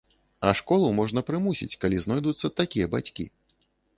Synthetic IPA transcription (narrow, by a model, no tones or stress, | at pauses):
ɐʂkɔlˠumɔʐnɐpɾɨmusʲḭt͡sʲkalʲiznɔjd̪ut̪sːɐt̪akʲijɐbat͡sʲkʲḭ